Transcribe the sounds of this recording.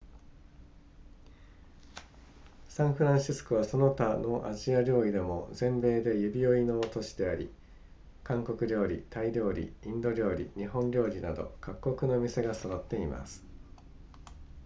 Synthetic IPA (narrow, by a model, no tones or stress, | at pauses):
sãɰ̃ɸɯ̟ɾãɕisɨ̥koβaso̞no̞t̪ano̞ʔaʑiaɾʲo̞ːɾʲid̪e̞mo̞zẽ̞mbe̞ːd̪e̞jɯ̟bʲio̞ino̞ːt̪o̞ɕi̥d̪e̞aɾʲḭ | kãŋko̞kɯ̟ɾʲo̞ːɾʲḭt̪aiɾʲo̞ːɾʲḭĩnd̪o̞ɾʲo̞ːɾʲḭɲ̟iɦõ̞ɲɾʲo̞ːɾʲinad̪o̞̰kʰakːo̞kɯ̟no̞mʲise̞ɡasod̪ot̪ːe̞ima̰sɨ̥